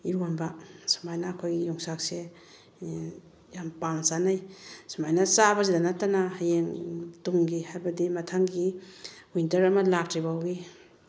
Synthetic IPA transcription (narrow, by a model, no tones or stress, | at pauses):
iɾonbasḁmajnaːkʰojɡijɔŋsak̚se | jampaŋsanajsamajnɐsabɐzidanatːanahajeŋtuŋɡihajbɐdimɐtʰaŋɡiwintɐɾɐmɐlak̚tibaawɡi